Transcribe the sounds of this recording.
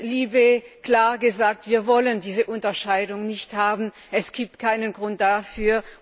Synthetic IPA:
liːbekl̥aːɐɡəzaːk̚tv̥iːɐvɔləndiːzəʔʊntɐʃaɪdʊŋnɪçthaːbn̩ | ʔɛsɡ̥iːp̚tkʰaɪnənɡʁʊnt̚d̥afyːɐ

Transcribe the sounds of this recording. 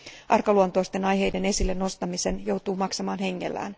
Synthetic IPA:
ʔɑrkɑluont̪oist̪e̞nɑjɦe̞jde̞ne̞silːe̞nːo̞st̪ɑmise̞njo̞wt̪uːmɑksɑmɑːnɦe̞ŋːe̞̰lːæ̰ːn

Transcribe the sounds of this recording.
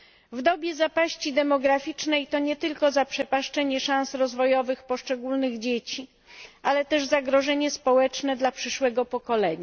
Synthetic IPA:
vd̪ɔbʲjɛzapaɕt͡ɕid̪ɛmɔɡɾafʲit͡ʂnɛjt̪ɔɲɛt̪ɘlkɔzapʂɛpaʂt͡ʂɛɲɛʂãñsɾɔzvɔjɔvɘxpɔʂt͡ʂɛɡulnɘɣd͡ʑet͡ɕi | ʔalɛt̪ɛʐzaɡɾɔʐɛɲɛspɔwɛt͡ʂnɛd̪lapʂɘʂwɛɡɔpɔkɔlɛɲa

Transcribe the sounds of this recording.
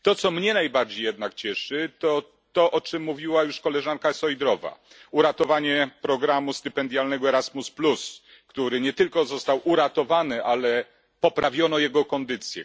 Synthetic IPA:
t̪ɔt̪sɔmɲɛnajbaɾd͡ʑejɛd̪̚nakt͡ɕɛʂɘt̪ɔ | t̪ɔʔɔt͡ʂɘmːuvʲiwajuʂkɔlɛʐankasɔjd̪ɾɔva̰ | uɾat̪ɔvaɲɛpɾɔɡɾamust̪ɘpɛnd̪ʲjalnɛɡɔɛɾazmusplus | kt̪uɾɘɲɛt̪ɘlkɔzɔst̪awʔuɾat̪ɔvanɘʔalɛ | pɔpɾavʲjɔnɔjɛɡɔkɔnd̪ɘt̪sʲjɛ̰

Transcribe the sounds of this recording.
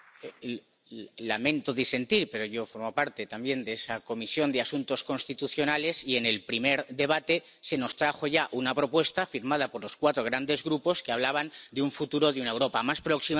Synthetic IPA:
lamẽ̞nt̪oðise̞nt̪iɾpe̞ɾo̞ʝo̞fo̞ɾmopaɾt̪e̞t̪ambje̞nd̪eesako̞misjo̞nd̪easunt̪o̞skonst̪it̪uθjo̞nale̞sie̞ne̞lpɾime̞ɾðe̞β̞at̪e̞ | se̞no̞st̪ɾaxo̞ʝaʔunapɾo̞pwe̞st̪afiɾmað̞apo̞ɾlo̞skwat̪ɾo̞ɣɾand̪e̞zɣɾupo̞skeaβ̞laβ̞and̪euɱfut̪uɾo̞ðeunaewɾo̞pamaspɾoksi

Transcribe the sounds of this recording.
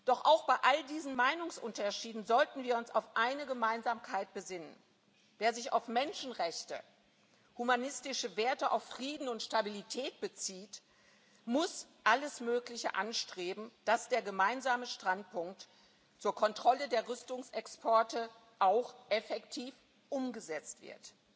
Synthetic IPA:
d̥ɔχʔaʊxb̥aɪʔaldiːzn̩maɪnʊŋsʔʊntɐʃiːdn̩zɔltn̩viːɐʊnsa̰ʊfʔaɪnəɡəmaɪnzaːmkʰaɪt̚b̥əzɪnən | veːɐzɪça̰ʊfmɛnʃn̩ʁɛçtə̰ | humanɪstɪʃəveːɐtəʔa̰ʊfʁ̥iːdn̩ʊntʃtabilitʰɛːt̚b̥ət͡siːt | mʊsʔaləsmøːklɪçə̰ʔa̰nʃtʁ̥eːbm̩d̥asd̥eːɐɡəmaɪnzaːməʃtʁ̥antpʊŋk̚t | t͡suːɐkʰɔntʁ̥ɔlədeːɐʁʏstʊŋsɛkspʰɔɐtə | ʔaʊxʔɛfɛktʰiːf | ʔʊmɡəzɛt͡stv̥ɪ̰ɐt

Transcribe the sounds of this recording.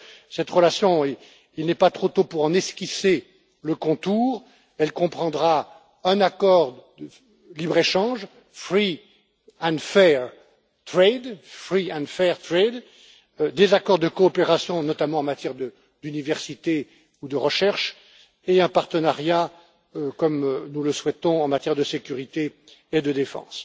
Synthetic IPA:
sɛt̪ʁəlasjɔ̃ | ilnɛpat̪χot̪opuʁɑ̃nɛskʲise | ləkɔ̃t̪uʁ | ɛlkɔ̃pχɑ̃d̪ʁa | ɛ̃nakɔʁ | ə | libʁeʃɑ̃ʒ | fχi | ɛ̃d̪fɛʁ | t̪χed̪fχiɛ̃fɛʁt̪χed̪ | d̪ezakɔʁd̪əkɔːpeʁasjɔ̃nɔt̪amɑ̃ɑ̃mat̪jɛʁd̪ə | d̪ynivɛʁsit̪e | ud̪əʁəʃɛʁʃ | eɛ̃paʁt̪ənaʁja | økɔmnuləswɛt̪ɔ̃ɑ̃mat̪jɛʁd̪əsekʲyʁit̪e | ed̪əd̪efɑ̰̃s

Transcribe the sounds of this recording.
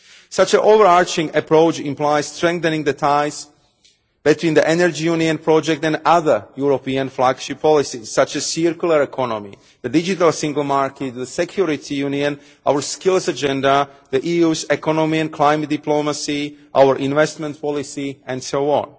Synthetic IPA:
sat͡ʃə̃nʔovəɹaɹt͡ʃɪ̃ŋəpɹoʊt͡ʃɪ̃mplaɪz̥stɹɛ̃ŋk̚θɛ̃nɪ̃ŋd̪ətʰaɪz | b̥it̪ʰwĩːndiʔɛnɛɹd͡ʒijũniə̃npʰɹɔd͡ʒɛk̚tɛ̃ndaðə˞juɹopiãnflaɡʃippʰːɔlɪsiz̥ːat͡ʃɛz̥siɹkjulˠəɹɛkʰɔnɔ̃mḭ | ðədɪd͡ʒitalˠsɪ̃ŋɡlˠmaɹkʰɛt̪̚ðəsɛkʰjuɹit̪ʰijũniə̃n | ʔawəɹskɪlˠzad͡ʒɛ̃ndaðəʔiːuːzɛkɔnɔmiɛ̃nkʰlaɪmət̚diplomasiʔa̰wəɹʔɪ̃nvɛstmɛ̃ntpʰɔlisiɛ̃nsoʊɔ̰̃n

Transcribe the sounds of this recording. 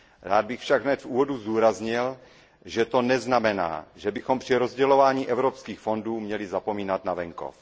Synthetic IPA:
ɾaːd̪̚bɪxfʃaɡɦnɛt̪fʔuːvoduzd̪uːɾazɲɪl | ʒɛt̪o̞nɛznamɛna̰ːʒɛbɪxompr̝̥ɪɾozɟɛlo̞vaːɲiːʔɛvɾopskiːxfo̞nduːmɲɛlɪzapo̞miːnat̪navɛŋko̰f

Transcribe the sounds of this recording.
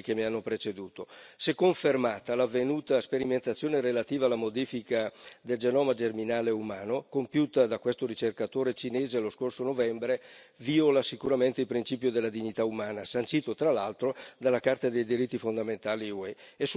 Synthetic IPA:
k̟emianːopɾet͡ʃed̪uːt̪osekːoɱfermaːt̪alavːenuːt̪aspeɾiment̪at̪sːjoːneɾelat̪iːvaːlːamod̪iːfikad̪eld͡ʒenɔːmad͡ʒerminaːleumaːnokompjuːt̪ad̪akwest̪oɾit͡ʃerkat̪oːɾet͡ʃineːzeloskorsonovɛmbɾe | violasikuɾament̪eilpɾint͡ʃiːpjod̪elːad̪iɲːit̪aumaːnasant͡ʃiːt̪ot̪ɾalalt̪ɾod̪alːakart̪ad̪ejd̪iɾit̪ːifond̪ament̪aːliwɛes

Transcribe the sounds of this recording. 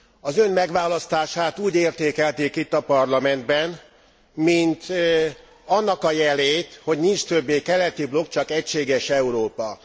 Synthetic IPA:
ɒzø̞nmɛɡʋaːlɒst̪aːʃaːt̪uːɟeːrt̪eːkɛlt̪eːkit̪ːɒpɒrlɒmɛnd̪bɛn | mint̪ | ɒnːɒkɒjɛleːt̪ho̞ɟnint͡ʃt̪øbːeːkɛlɛt̪iblo̞kt͡ʃɒkɛcʃeːɡɛʃɛuɾoːpɒ

